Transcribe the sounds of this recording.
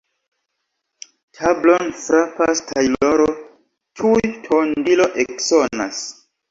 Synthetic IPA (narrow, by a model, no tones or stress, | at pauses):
tʰablonfɾapastʰajloɾo | tʰujtʰondilo̞ʔeksonas